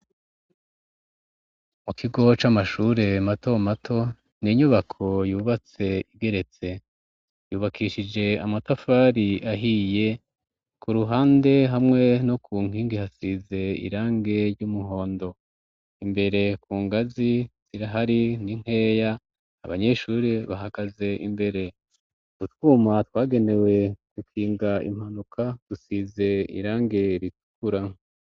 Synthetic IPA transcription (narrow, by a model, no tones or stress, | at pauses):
mukiɡo̞t͡ʃamaʃuːɾe̞mato̞matʰo̞ | niɲuβakʰo̞juːβat͡se̞iɡe̞ɾe̞t͡se̞ | juːβakʰiʃid͡ʒe̞amatafaːɾiaɦije̞ | kuɾuɦaːnde̞ɦamŋe̞nokʰuːŋ̥hiːŋɡihasize̞ḭɾaːŋɡe̞ɾɟumuɦo̞ːndo̞ | imbe̞ɾe̞kuːŋɡaziz̥iɾaɦaɾiniŋ̥e̞ːjaː | βaɲe̞ʃuːɾeβaɦaɡ̥aze̞ʔḭmbe̞ɾe̞ | kutwumatwaːɡe̞ne̞we̞ɡukʰiːŋɡaḭm̥hanukʰad̥usize̞ḭɾaːŋɡe̞ɾitu̥kuɾa